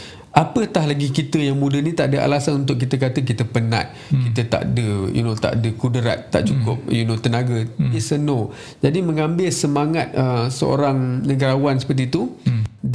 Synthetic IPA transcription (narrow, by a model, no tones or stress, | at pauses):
ʔapət̪ahlaɡikit̪əjaŋmũdənĩt̪aʔdəʔa̰lasanunt̪̬ʊʔk̬ːit̪ək̬at̪ək̬it̪əpəna̰t̪̚kit̪ət̪a̰ʔdəjṵnot̪a̰ʔdəkudəɾa̰t̪ːa̰ʔt͡ʃukʊp̚junot̪ənaɡəisəno | d͡ʒadiməŋambɪlsəmaŋat̪̚əsə̰o̰ɾaŋnəɡaɾawansə̥pərt̪it̪u